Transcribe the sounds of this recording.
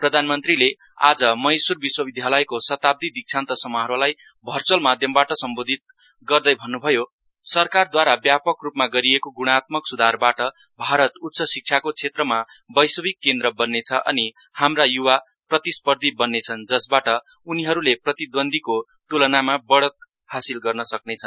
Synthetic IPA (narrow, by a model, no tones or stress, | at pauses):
prʌd̪ʱanmʌnt̪rile | a̰d͡zʌmʌjsurbiswʌbid̪ʱjalʌjkosʌt̪ab̚d̪ʱid̪ik̚t͡sʰant̪ʌsʌmaɦʌɾolajbʱʌrt͡sʌlmad̪ʱjʌmbaʈʌsʌmbod̪ʱit̪̚ | ɡʌrd̪ʌjbʱʌnːubʱʌjo | sʌrkard̪waɾabjapʌkrupmaɡʌɾiekoɡuɽ̃at̪mʌksud̪ʱarbaʈʌ | bʱaɾʌt̪ut̪sʌsik̚t͡sʰakot͡sʰet̪rʌma | bʌjsʌbikːend̪ɾʌbʌnːet͡sʰʌʔʌ̰ni | hamrajuwa | prʌt̪ispʌrd̪ʱibʌnːet͡sʰʌnd͡zʌsbaʈʌ | uniɦʌɾuleprʌt̪id̪wʌnd̪ʱiko | t̪ulʌnamabʌɽʌt̪̚ | hasilɡʌrnʌsʌk̚net͡sʰʌn